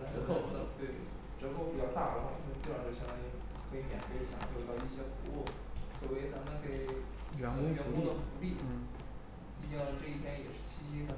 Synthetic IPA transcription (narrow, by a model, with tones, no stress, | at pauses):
a˧˥ʈ͡ʂə˧˥k̪o˥˩ʊ˥˩d̪ə˧˩t̪we˥˩ɪ˥˩ | ʈ͡ʂɤ˧˥ko˥˩pi˨˩t͡ɕjɑ˥˧ʊt̪a˥˩d̪ə˨˩wa̰˥˩˥t͡ɕa˥˩jo˥˩ɕjɛ˥nt̪a˥˩ɪ | kʰɤ˧˥i˧˥mjɛ̰˨˩nfe˥ɪ˩ɕjɑ̰˨˩ŋt̪jt̪ɑ˥˧ʊi˥˩ɕjɛ˥ku˧˥u˥˩ | swɔ˨˩we˥˩ɪt͡sa˧˥mə˨nke˨˩ɪ | ɥɛ˧˥n˥ɥɛ˧˥n˧ku˥d̪ə˨fu˧˥li˥˩˥ | i˥˧˥ʈ͡ʂɤ˥˧i˥˩t̪jɛ˥njɛ˨˩ʂɻ̩˥˩t͡ɕʰi˥i˥d̪ə˨